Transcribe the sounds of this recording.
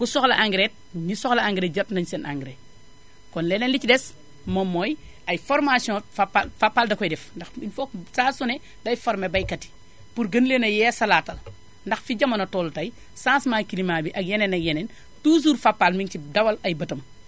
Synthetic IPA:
kusɔxlɐʔaŋɡɾet̚ɲisɔxlɐaŋɡɾeɟɐtnɐɲsenʔaŋɡɾe | kɔnlɛːnɛnlit͡ʃidɛs | mɐmːɔːj | ɐjfɔɾmasjɔ̃fapːafapːaːldɐkɔjdɛfndɐxinfɔk̚saːsunɛ | dɐjfɔɾmebɐjkɐti̥ | puɾɡɐnlenɐjɛsɐlatːɐl | ndɐxfiɟɐmɐnɐtɔltɐj | sãːnsmakilimaːbiʔɐk̚jenɛnɐkjɛnɛn | tuːs̬uːɾfapːalmintidɐwɐlɐjbɐtɐm

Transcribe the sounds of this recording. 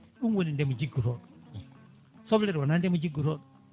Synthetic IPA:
uŋwɛnindɛmud͡ʒiɡuɾɔɗɔ | sɔblɛɾianandɛmud͡ʒiɡuɾɔɗɔ

